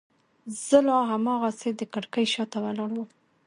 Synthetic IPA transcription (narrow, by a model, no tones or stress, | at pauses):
z̥əlɑɦamɑɣased̪əkaɽkəjʃɑt̪awalɑɽwum